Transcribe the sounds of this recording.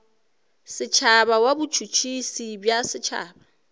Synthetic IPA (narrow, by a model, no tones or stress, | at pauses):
sɪt͡ʃʰabawabut͡ʃʰut͡ʃʰisibjasɪt͡ʃʰa̰ːba